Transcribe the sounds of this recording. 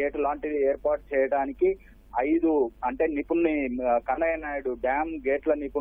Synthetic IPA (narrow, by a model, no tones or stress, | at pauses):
eːʈlaːɳʈid̪iɛːɾpaːɾʈ̚t͡ʃɛːjɐɽaːniki | ɐjd̪uɐɳʈe̞ːnipunnikɐnːɐjɐnaːjɐɽuɖaːmɡeːʈlɐnipu